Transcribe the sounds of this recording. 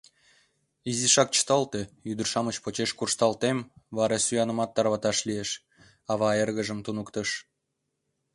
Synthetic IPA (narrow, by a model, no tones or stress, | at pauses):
iziʃɑk̚t͡ɕə̥t̪ɑlt̪ejyd̪ərʃɑmət͡ɕpot͡ɕeʃkurʃt̪ɑlt̪emβɑɾesujɑnə̆mɑt̪ːɑrβɑt̪ɑʃlieʃ | ɑβɑerɣəʒəmt̪unukt̪əʃ